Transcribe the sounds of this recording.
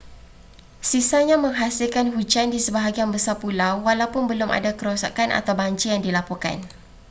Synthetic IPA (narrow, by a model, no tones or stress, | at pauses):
sisaɲãmə̃ŋɦasɪlkanɦud͡ʒandisəbaɦaɡianbəsapulawːalawpʊnbəlʊmʔa̰dakəɾosa̰kanʔa̰t̪awbaɲt͡ʃijaŋdilapɔka̰n